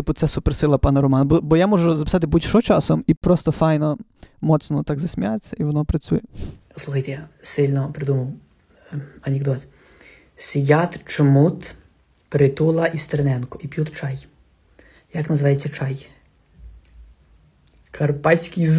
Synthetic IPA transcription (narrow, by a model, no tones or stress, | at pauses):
t̪ɪpʊt̪sɛsupersɪlˠɐpɑnɐɾɔmɑnɐbɔbɔjamɔʒʊzɐpʲɪ̥sɑt̪̬ɪbutʲʃɔt͡ʃɑsɔmipɾɔst̪ɔfɑjnɔ | mɔt̪snɔt̪ɑɡzɐsʲmʲijajet͡sʲːɐiʋɔnɔpɾɐt͡sʲujɛ | slˠuxɐjt̪ɛjasɪlʲnɔpɾɪd̪umɐw | ɐnʲeɡd̪ɔt̪ | sʲijʲat̪t͡ʃmut̪ | pɾɪt̪ulˠɐʔist̪eɾenɛnkʊʔipʲjut̪t͡ʃɑj | jɐknɐzɪʋajet͡sʲːɐt͡ʃɑj | kʰɐrpɑsʲkijz